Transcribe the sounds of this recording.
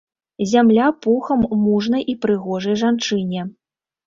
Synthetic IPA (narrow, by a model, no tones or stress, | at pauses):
zʲamlʲapuxɐmːuʐnɐjʔipɾɨɣɔʐɐjʐant͡ʂɨnʲɛ